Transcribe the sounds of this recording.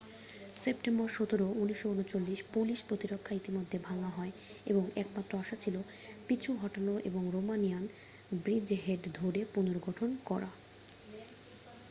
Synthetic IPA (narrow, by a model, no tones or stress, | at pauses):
sepʈemboɾʃot̪oɾouniʃːounot͡ɕolːiʃpuliʃpɾot̪iɾokʰːait̪imod̪ʱːebʱaŋaɦɔe | ḛboŋɛkmat̪ːɾoaʃat͡ɕʰilopit͡ɕʰuɦɔʈanoʔḛboŋɾomanijan | bɾid͡ʑɦeʈd̪ʱoɾepunoɾɡʱɔʈʰonkɔɾa